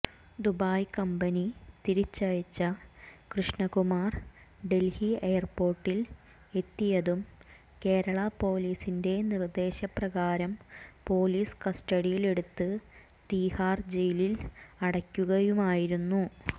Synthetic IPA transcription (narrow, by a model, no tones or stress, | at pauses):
d̪ubaːjkɐmbɐnit̪iɾit͡ɕːɐjɐt͡ɕːɐkrɨʂɳɐkumaːr | ɖe̞lhieːɐrpo̞ːrʈːil | e̞t̪ːijɐðum | ke̞ːɾɐɭɐpo̞ːliːsinde̞nird̪e̞ːɕɐprɐɣaːɾɐmpo̞ːliːskɐstɐɽijile̞ɽut̪ːɨ | t̪iːhaːrd͡ʑe̞jililɐɽɐkʲːuɣɐjumaːjiɾunːu